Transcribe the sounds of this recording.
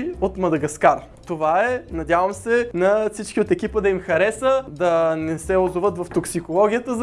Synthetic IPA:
ot̪mɐd̪ɐɡɐskaɾ | t̪ovaɛnɐd̪ʲjavəmsɛnɐfsit͡ʃkiot̪ɛkipəd̪ɐimxɐɾɛsəd̪ɐnɛsɛʊzovət̪vɐft̪oksikolˠɔɡʲijət̪əz

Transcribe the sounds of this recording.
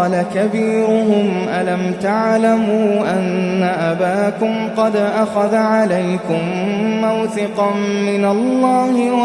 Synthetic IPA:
lakabiːɾʊhʊmʔalamt̪aʕlamuːʔanːaʔabaːkʊmqɑd̪ʔaxaðʕalajkʊmːawθɪqɑmɪnalˤːɑːhɪw

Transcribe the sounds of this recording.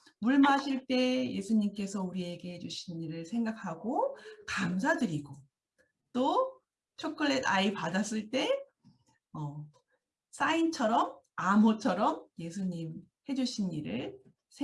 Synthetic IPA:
muɭmaɕʰiɭt͈e̞je̞sʰuɲimk͈e̞sʰʌuɾie̞ɡe̞he̞d͡ʑuɕʰiniɾɯɭsʰe̞ŋɡakʰaɡokams̬ʰadɯɾiɡo | t͈o | t͡ɕʰokʰɯɭːe̞daipadas͈ɯɭt͈e̞ | ʌ | s͈aint͡ɕʰʌɾʌm | amot͡ɕʰʌɾʌmje̞s̬ʰuɲim | he̞d͡ʑuɕʰiniɾɯɭ | sʰ

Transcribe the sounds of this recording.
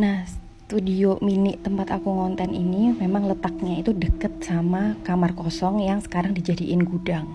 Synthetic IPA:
nahs | t̪udiominɪʔt̪əmpat̪akuŋɔnt̪ɛnḭnimemaŋlət̪ak̚ɲait̪udəkət̪̚samakamarkɔsɔŋjaŋsə̥kaɾaŋdid͡ʒadiʔɪnɡudaŋ

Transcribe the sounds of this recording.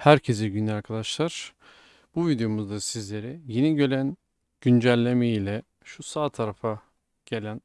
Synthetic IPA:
hæɾcʰes̬iɟynlʲɛaɾkʰad̪aʃlˠaɾ̥ | b̥uvid̪ejo̞muzd̪asizlʲe̞ɾijinɛɟø̞lʲæn | ɟ̥ynd͡ʒælʲːemejilʲɛ | ʃusaːt̪ʰːaɾafa | ɟ̥e̞lʲæn

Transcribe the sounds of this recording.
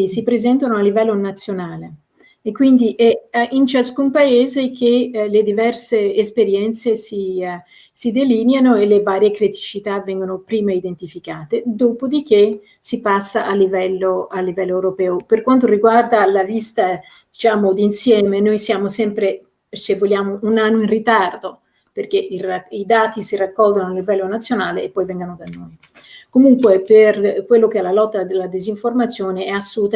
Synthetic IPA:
isipɾezɛnt̪anoalːivɛlːonat̪sːjonaːleː | kːwind̪iʔɛint͡ʃaskumpaeːzek̟eled̪ivɛrseːspeɾjɛnt̪sesi | sid̪elinjanoelːevaːɾjekɾit̪i̥t͡ʃit̪avɛŋɡonopɾiːmaid̪ent̪ifikaːt̪ed̪oːpod̪ik̟e | sipasːaʔalːivɛlːoalːivɛlːoewɾopɛːoperkwant̪̬oriɡward̪alavist̪a | d̪̥it͡ʃaːmod̪insjɛːmenojsjaːmosɛmpɾe | sevːolːjaːmoʔunanːoĩnrit̪ard̪o | perk̟eiraid̪aːt̪isirakːɔlɡ̪onoalːivɛlːonat̪sːjonaːleːpːɔjvɛŋɡanod̪anːoj | komuŋkweperkwelːok̟eɛlːalɔt̪ːad̪elːad̪iziɱformat̪sːjoːneɛasːuːt̪a

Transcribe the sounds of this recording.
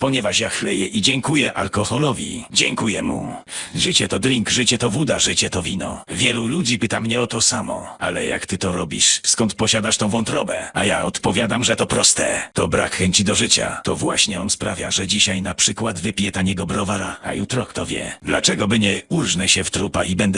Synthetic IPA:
pɔɲɛvaʂjaxlɛjɛʔid͡ʑɛŋkujɛʔalkɔxɔlɔvʲḭd͡ʑɛŋkujɛmṵʐɘt͡ɕɛt̪ɔd̪ɾʲiŋkʐɘt͡ɕɛt̪ɔvud̪aʐɨt͡ɕɛt̪ɔvʲinɔ̰vʲjɛlulud͡ʑipɘt̪amɲɛɔt̪ɔsamɔ̰alɛ̰ja̰kt̪ɘt̪ɔɾɔbʲḭʂskɔnt̪pɔɕad̪aʂt̪ɔ̃vɔnt̪ɾɔbɛajaɔt̪pɔvʲjad̪amʐɛt̪ɔpɾɔst̪ɛt̪ɔbɾa̰kxɛɲt͡ɕid̪ɔʐɘt͡ɕa̰t̪ɔvwaɕɲɛɔnspɾavʲjaʐɛd͡ʑiɕajnapʂɘkwad̪vɘpʲjɛt̪aɲɛɡɔbɾɔvaɾaa̰jut̪ɾɔkt̪ɔvʲjɛ̰d̪la̰t͡ʂɛɡɔbɘɲɛurʐnɛɕɛft̪ɾupaʔibɛnd̪ɛ

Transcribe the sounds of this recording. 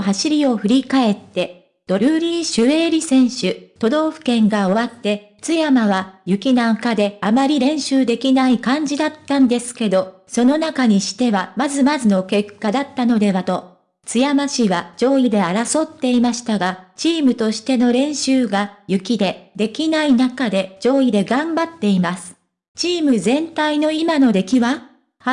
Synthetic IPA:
ɦaɕiɾʲio̞ɸɯ̟ɾʲikae̞t̪ːe̞ | d̪̥o̞ɾɯ̟ɾʲĩːɕɨe̞ːɾʲisẽ̞ɰ̃ɕɨt̪o̞d̪o̞ːɸɯ̟̥kẽ̞ŋɡao̞βat̪ːe̞ | t͡sɨjamaβajɯ̟kʲinãkad̪e̞amaɾʲiɾẽ̞ɰ̃ɕɨːd̪e̞kʲinaikãɲ̟d͡ʑid̪at̪ːãnd̪e̞sɨ̥ke̞d̪o̞ | so̞no̞nakaɲ̟iɕi̥t̪e̞βamazɨmazɨno̞ke̞kːad̪at̪ːano̞d̪e̞βat̪o̞ | t͡sɨjamaɕiβad͡ʑo̞ːid̪e̞aɾaso̞t̪ːe̞imaɕi̥t̪aɡat͡ɕiːmɯ̟t̪o̞ɕi̥t̪e̞no̞ɾẽ̞ɰ̃ɕɨːɡajɯ̟kʲid̪e̞d̪e̞kʲinainakad̪e̞d͡ʑo̞ːid̪e̞ɡãmbat̪ːe̞imasɨ̥ | t͡ɕiːmɯzẽ̞nt̪aino̞imano̞d̪e̞kʲiβa

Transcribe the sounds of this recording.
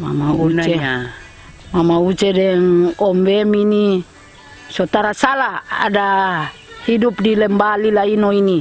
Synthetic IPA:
ma̰maunae | mamaut͡ʃedɛŋɔmbemini | sot̪aɾasalaa̰da | hidupdilɛmbalilainoini

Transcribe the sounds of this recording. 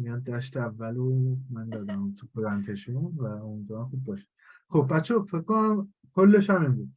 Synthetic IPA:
mijɒːnd̪æʃt̪eævːælomænd̪ɒːd̪æmumt̪ʰukʰod̪ænt̪ʰeʃunvæomid̪vɔːɾanxubbɒːʃe̥d̥̪xobːæt̪t͡ʃʰːefekkːonæm | kʰolːeʃɒminbuːd̪

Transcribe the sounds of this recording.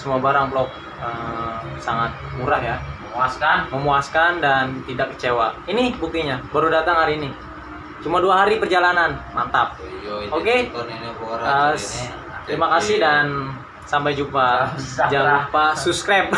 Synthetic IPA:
səmuabaɾaŋblɔk̚ | əsaŋat̪̚muɾahjaməaskanməmuaskandant̪idakːə̥t͡ʃewainibuk̚t̪iɲabaɾudat̪aŋhaɾiːni | t͡ʃumaduaɦaɾipərd͡ʒalananmant̪ap̚oke | ɾə | t̪ɾimakasɪhdan | sampajd͡ʒupad͡ʒalapasupskɾap̚

